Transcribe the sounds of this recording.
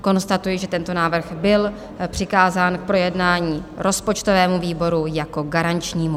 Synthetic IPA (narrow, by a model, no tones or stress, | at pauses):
ko̞nst̪at̪ujɪʒɛt̪ɛnt̪o̞naːvr̩xbɪl | pr̥ɪkaːzaːnk̚pɾo̞jɛdnaːɲiːɾʔo̞spo̞t͡ʃt̪ovɛːmuviːbo̞ɾujako̞ɡaɾant͡ʃɲiːmu